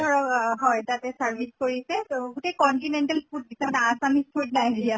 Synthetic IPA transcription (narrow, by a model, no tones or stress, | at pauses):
ɔɹɔkɦɔjtatɛsaɹbʱiskoɹisɛɡutejkɔnʈinɛnʈalpʰut̚disɛnaasamispʰut̚najdija